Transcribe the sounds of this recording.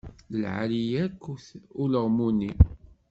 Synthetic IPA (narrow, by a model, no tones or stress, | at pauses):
ləlʕa̰lijækːθʊləʁmuni